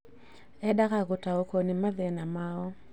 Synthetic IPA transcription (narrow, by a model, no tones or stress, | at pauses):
ɛɗaɣaɣutaɔkɔnimaðɛnamaɔ